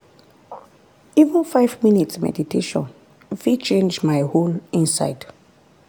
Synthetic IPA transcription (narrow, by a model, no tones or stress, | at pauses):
ivə̃nfajvminitsmɛ̰ditʰeʃɔ̰̃n | fit͡ʃẽnd͡ʒmajholĩnsa̰jd